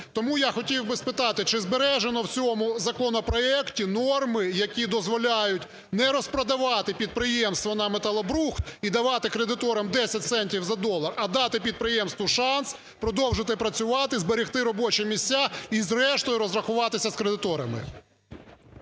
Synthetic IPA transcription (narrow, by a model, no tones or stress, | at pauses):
t̪ɔmujaxɔtʲiwbɪspɪt̪ɑt̪ɪt͡ʃɪzbeɾɛʒenɔwt͡sʲɔmʊzɐkɔnɔpɾɔɛktʲinɔrmɪjɐkʲid̪ɔzʋɔlʲajʊtʲ | nɛɾɔspɾɐd̪ɐʋɑt̪ɪpʲid̪̚pɾɪjɛmst̪ʋɔnɐmet̪ɐlˠɐbɾuxt̪̚id̪ɐʋɑt̪ɪkɾed̪ɪt̪ɔɾɐmd̪ɛsʲɐt̚ʲsɛnʲtʲiwzɐd̪ɔlˠɐrɐd̪ɑt̪ɪpʲid̪̚pɾɪjɛmst̪ʋʊʃɑns | pɾɔd̪ɔwʒɪt̪ɪpɾɐt͡sʲʊʋɑt̪ɪzbeɾʲixt̪ɪɾɔbɔt͡ʃɛmʲisʲːaizrɛʃt̪ɔjʊɾɔzɾɐxʊʋɑt̪ɪsʲɐskɾed̪ɪt̪ɔɾɐmɪ̰